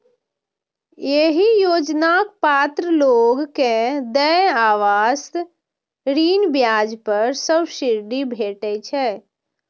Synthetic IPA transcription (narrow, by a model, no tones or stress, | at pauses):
jeɦijod͡ʒnak̚pat̪ɾəloɡkẽd̪əaʋast̪ | ɾiːnbjad͡ʒpəɾsəbʃiɾɖibʱeʈɛt͡ʃʰɛ